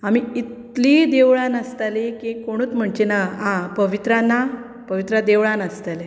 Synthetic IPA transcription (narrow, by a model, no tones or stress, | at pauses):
amiit̪ | liːd̪eʋɭãnəst̪alikĩkoɽ̃uːt͡sm̤əɳt͡ɕenaɦãpəʋit̪ɾanːa | pəʋit̪ɾad̪eʋɭãnəst̪ale